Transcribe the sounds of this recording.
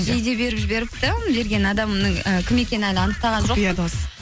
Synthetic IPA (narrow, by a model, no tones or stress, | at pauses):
ʒejd̪e̞be̞ɾɪpʒɪbe̞ɾɪp̚t̪ɪbe̞ɾɡʲe̞nɑd̪ɑmnəŋəkʲʰɪme̞kʲe̞nɪælɪɑnəqt̪ɑʁɑnʒo̞qd̪os